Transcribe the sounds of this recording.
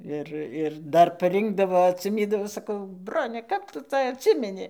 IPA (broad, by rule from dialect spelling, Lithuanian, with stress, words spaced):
ˈɪr ɪr ˈdɐr pɐˈrʲɪŋɡdɐʋoː ɐtʲsʲɪˈmʲiːdɐʋoː sɐˈkɐʊ ˈbroːnʲɛ kɐp ˈtʊ ˈt͡sɐ ɐtʲˈsʲɪmʲɛnʲɪ